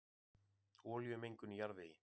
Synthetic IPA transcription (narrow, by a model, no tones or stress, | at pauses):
ɔːljʏmejŋkʏnijaɾðɪi